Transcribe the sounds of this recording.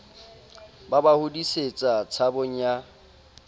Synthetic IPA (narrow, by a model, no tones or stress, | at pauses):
babahʊdiset͡sʼat͡sʰabʊɲ̩ja